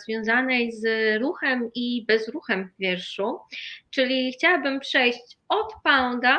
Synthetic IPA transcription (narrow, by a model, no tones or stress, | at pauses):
zvʲjɔ̃w̃zanɛjzɾuxɛmibɛzɾuxɛmvvʲjɛɾʂut͡ʂɘlʲixt͡ɕawabɘmpʂɛjɕt͡ɕɔt̪pawd̪a